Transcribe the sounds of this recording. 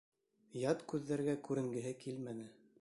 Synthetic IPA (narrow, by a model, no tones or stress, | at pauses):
jɑt̪kʉðːæɾɡækʉɾɘ̆ŋɡɘ̆ɦɘkilmænɘ